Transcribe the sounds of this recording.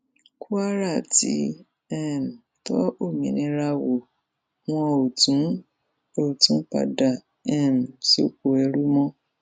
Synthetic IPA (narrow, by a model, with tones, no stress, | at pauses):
kʰu˦a˦ɾa˦˨tḭ˨˧˦ | ɛ˦˨m̩˨tɔ̰˦o˦˨mĩ˨nĩ˧˦ɾa˧wo˨ | w̃ɔ̃˧o˨tũ˨˦ | o˦˨tũ˨˦k͡pa̰˨da˨ | ɛ˦˨m̩˨so˧˨ko˨ɛ˧ɾu˦mɔ̃˦